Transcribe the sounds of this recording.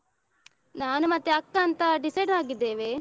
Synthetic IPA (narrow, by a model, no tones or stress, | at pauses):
naːnumɐt̪ːeɐkːɐːnt̪ɐɖisɐjɖɾaːɡid̪ːe̞ːʋe